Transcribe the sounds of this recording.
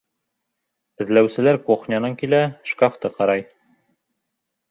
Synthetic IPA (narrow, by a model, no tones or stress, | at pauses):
ɘ̆ðlæwsɘ̆læɾkoχnʲɑnɤŋkilæʃkɑft̪ɤqɑɾɑj